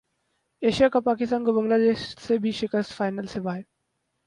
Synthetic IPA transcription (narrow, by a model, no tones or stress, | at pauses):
eːʃijakapaːkɪst̪aːnɡəbəŋɡlad̪eːʃsebʱiʃikəst̪faːɪnəlseʋaːɦe